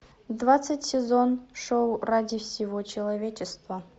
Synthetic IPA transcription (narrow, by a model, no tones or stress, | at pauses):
d̪vat̪sətʲsʲɪzonʂowradʲifsʲɪvot͡ɕɪlˠɐvʲet͡ɕɪst̪və